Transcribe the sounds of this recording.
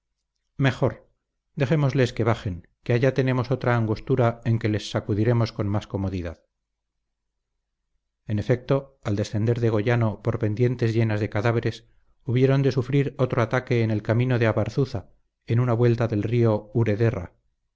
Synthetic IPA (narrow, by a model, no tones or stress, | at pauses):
me̞xo̞ɾ | d̪e̞xe̞mo̞zle̞ske̞βaχe̞ŋ | keaʝat̪e̞ne̞mo̞so̞t̪ɾaːŋɡust̪uɾae̞ŋke̞le̞sːakuðiɾe̞mo̞sko̞nmasko̞mo̞ðiðað | ene̞fe̞k̚t̪o̞ald̪e̞sθe̞nd̪e̞ɾðe̞ɣ̞o̞ʝano̞po̞ɾpe̞nd̪je̞nt̪e̞zʝe̞nazðe̞kaðaβ̞e̞ɾe̞s | uβjeɾo̞nd̪e̞sufɾiɾo̞t̪ɾo̞at̪ake̞ːne̞lkamĩno̞ðeaβaɾθuθa | enunaβwe̞lt̪aðe̞lrio̞uɾe̞ðe̞ra̰